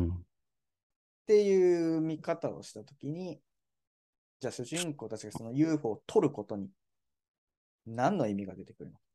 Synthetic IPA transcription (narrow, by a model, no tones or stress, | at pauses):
t̪e̞jɯ̟ːmʲikat̪ao̞̰ɕi̥t̪at̪o̞kʲiɲ̟i | d͡ʑaːɕɨʑĩŋko̞ːt̪at͡ɕiɡaso̞nojɯːɸo̞ːt̪ʰo̞ɾɯ̟ko̞t̪o̞ɲ̟i | nãnːo̞imʲiɡad̪e̞t̪e̞kɯ̟ɾɯ̟no̞k